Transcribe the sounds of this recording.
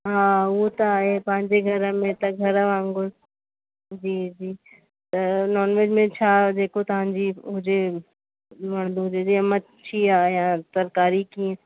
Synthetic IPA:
ɦãːwot̪aepãːnd͡ʒeɡʱɐɾamẽt̪ɐɡʱɐɾaʋãːŋɡo | d͡ʒiːd͡ʒiː | t̪nɔːnʋed͡ʒmẽt͡ʃʰaːd̪eːkʰot̪ãnd͡ʒiʊd͡ʒe | mɐɳd̪od͡ʒed͡ʒiɐmɐt̪ | t͡ʃʰiaːjãt̪ɐɾkaːɾikĩ

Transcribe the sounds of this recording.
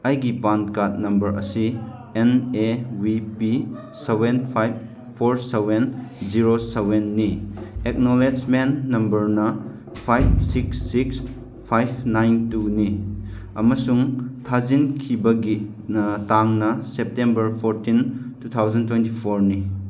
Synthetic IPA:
ɐjɡipankat̚nɐmbɐɾɐ̰si | enewipi | sebenpʰajb̚ | pʰoɾsebenziɾosebenːiek̚noled͡ʒmennɐmbɐɾnɐ | pʰajb̚siksːiks | pʰajbʰnajntuni | ɐmɐsuŋtʰazinkʰibɐɡi | taŋnɐsep̚tembɐɾpʰoɾtintut̪ʰawzɐntwentipʰoɾni

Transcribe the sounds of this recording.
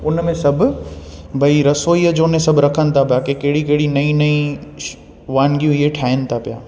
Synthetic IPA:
ʊnmẽsɐbʱʊbʱɐiɾɐsoːiəd͡ʑoːʊnẽsɐbʱɾɐkʰənɪ̆t̪ʰapiaːkekɐɦɪɽikɐɦɪɽinɐĩnɐĩ | ʋaːnɡijũɪɦeʈʰaːɪənɪ̆t̪ʰapija̰ː

